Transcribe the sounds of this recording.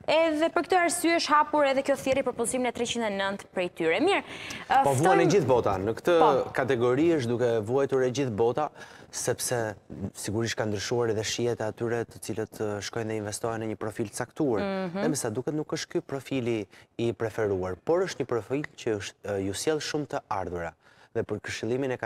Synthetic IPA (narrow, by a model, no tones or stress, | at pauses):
ɛðɛpəɾkət̪əaɾsyɛəʃhapuɾɛðɛkjɔθjɛɾipəɾpulsiminɛt̪ɾɛt͡ɕind̪ɛnənt̪pɾɛjt̪yɾɛmiɾpɔvuanɛd͡ʑiθbɔt̪anəkt̪əkat̪ɛɡɔɾiəʃ̬t̪d̪ukɛvuajt̪uɾɛd͡ʑiθbɔt̪a | sɛpsɛsiɡuɾiʃt̪kand̪ɾyʃuaɾɛðɛʃijɛt̪ɛat̪yɾɛt̪ə̥t͡silət̪ʃkɔjnðɛiɱvɛst̪ɔjnəɲəpɾɔfilt̪ə̥t͡sakt̪uaɾɛmɛsad̪ukɛt̪nukəʃt̪̚kypɾɔfiliːpɾɛfɛɾuaɾpɔɾəʃt̪ɲəpɾɔfilcəjusjɛlˠʃumt̪əaɾðuɾa | ðɛpəɾkəɾʃilˠiminɛk